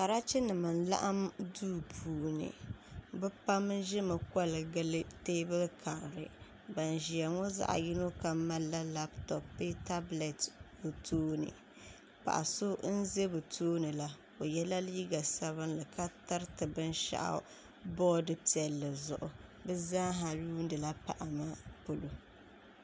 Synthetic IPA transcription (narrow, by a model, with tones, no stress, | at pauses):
ka˨ɾa˦t͡ʃɛ˦nɨ˨mɨ˨n˨la̰˦ʔa˦mduː˦pʰuː˨nɨ̰˨bɛ˦pa˦m˦ʒɪ˦mɨ˨ka˦lɨ˨ɡɨ˦lɨ˦teː˦bɨ˦lkʰa˨ɾɾɨ̰˨ | ba˨n˨ʒi˨a˨ŋɔ˦za̰˦ʔa̰˨ji˦no˦ka˨ma˦la˦la˦btɔ˨pːɨ˦ta˦blɛ˨t | o˨tʰoː˦nɨ̰˨ | pa̰˨ʔa̰˨so˦n̩˦ze˦bɨ˨tʰoː˦nɨ˨la˦ | o˨jɛ˦la˦liː˦ɡa˨sa˦βɨ˦nlɨ˨ka˦ta˦ɾtɨ˨bɨ˦n˦ʃa̰˦ʔa̰˦ | bɔː˦dɨ˨pi˨ɛ˨lːɨ˨zʊ̰˨ʔʊ˨bɛ˦zaː˦ɦa˨ɾuː˦n˦dɨ˨la˦pa̰˨ʔa˨ma˦po˦lo˨